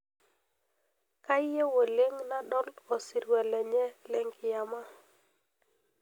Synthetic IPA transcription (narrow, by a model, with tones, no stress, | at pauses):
ka˦jje˦wo˨le˦ŋna˦ɗɔ˦lɔ˨si˨ɾwɛ˨lɛ˨ɲɛ˦lɛ˨ŋkɪ˨ja˨ma˦